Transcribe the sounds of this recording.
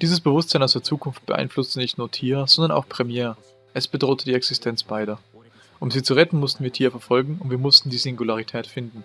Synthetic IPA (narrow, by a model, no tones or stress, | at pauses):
d̥iːzəsb̥əvʊstz̥aɪnʔaʊsd̥eːɐt͡suːkʰʊnft̚b̥ə̰ʔa̰ɪnflʊstənɪçtnuːɐtʰiːʁzɔndɐna̰ʊxpʁ̥ɛmjɛː | ʔɛsb̥ədʁoːtʰədiːɛksɪstʰɛnt͡sb̥aɪɾɐ | ʔʊmziːt͡suʁɛtn̩mʊstn̩viːɐtʰiːʁɐfɛɐfɔlɡŋ̩ʊntv̥iːɐmʊstn̩diːzɪŋɡulaʁ̞itʰɛːtfɪndn̩